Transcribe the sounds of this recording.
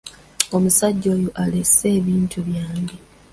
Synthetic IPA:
o̞musaɟːo̞ːjoʔalese̞ːβiːntʰuβjaːŋɡe̞

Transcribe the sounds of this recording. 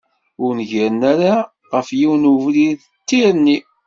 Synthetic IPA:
ʊɾnʝəɾənaɾa | ʁəfjiwnuvlið | t̪ːiɾənːi

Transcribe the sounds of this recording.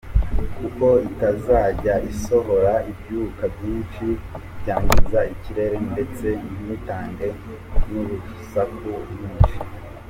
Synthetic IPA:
kuko̞itazaːɟaʔiso̞ɦo̞ɾaibjuːkabjiːnʃibjaːɲɡizaiciɾe̞ɾe̞nde̞t͡se̞nmitaːŋɡe̞ | nuβusakubjuːnʃi̥

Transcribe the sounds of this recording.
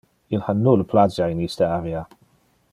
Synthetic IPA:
ilhanːuːləpʰlazjainistəavia

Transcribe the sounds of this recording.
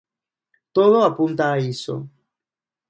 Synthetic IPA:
t̪oðoapunt̪aːiso̰

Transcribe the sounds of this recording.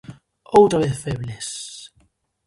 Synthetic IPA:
owt̪ɾaβeθfeβles

